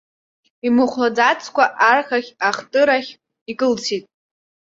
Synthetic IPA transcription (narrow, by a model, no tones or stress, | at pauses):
imɨχʷlad͡zat͡sʰkʷaʔarχaχʲaχtʼɨɾaχʲ | ikʼɨlt͡sʰitʼ